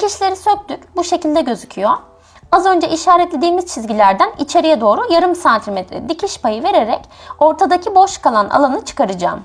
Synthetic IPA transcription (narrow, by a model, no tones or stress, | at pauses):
cʰiʃlʲe̞ɾisøk̚d̪ycbuʃe̞cilʲd̪ɛɟø̞zycʰyjo | azø̞nd͡ʒɛʔiʃaːɾɛt̪lʲed̪iːmiz̥t͡ʃʰizɟilʲæɾd̪ænit͡ʃʰe̞ɾijɛd̪o̞ːɾujaɾɯmsant̪ʰimet̪ʰɾɛ̰d̪icʰiʃpajɯve̞ɾe̞ɾɛco̞ɾt̪ʰad̪acʰibo̞ʃkalˠana̰lˠanɯt͡ʃʰɯ̥kʰaɾɯd͡ʒaːm